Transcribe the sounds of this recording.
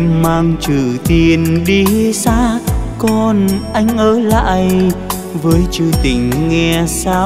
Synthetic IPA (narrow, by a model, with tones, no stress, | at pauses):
maː˧ŋt͡ɕɨ˧˩t̪i˨˧˩ənɗi˧saː˧˥kɔ˧˩nʔa˧jŋ̟ʔəː˨˦la̰ː˧˨j | vəː˨˦jt͡ɕɨ˧t̪ï˧˩ŋ̟ŋɛ˧saː˧